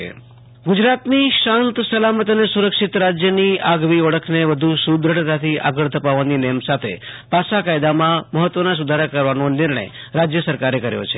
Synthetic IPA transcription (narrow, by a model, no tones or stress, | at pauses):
ḛ | ɡud͡ʒɾat̪niʃãnt̪səlamət̪ənesuɾəkʃit̪ɾad͡ʒjəniʔaɡʋiəɭəkʰneʋəd̪ʱusud̪ɾəɽt̪at̪ʰiʔa̰ɡəɭt̪ʰəpaʋːaninɛjəmsat̪ʰḛpaʃakajd̪amãməɦət̪ːʋənas̬ud̪ʱaɾəkəɾʋanonɪɾɳ̃ə̰jɾad͡ʒjəsəɾkaɾekəɾjo̰t͡ʃʰe